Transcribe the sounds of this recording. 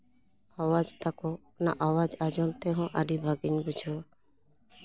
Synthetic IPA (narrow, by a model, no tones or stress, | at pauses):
awad͡ʒt̪akɔ | na̰ʔawad͡ʒad͡ʒɔnt̪ɛɦɔ̃ʔaɖibʱaɡiɲbud͡ʒʱɔ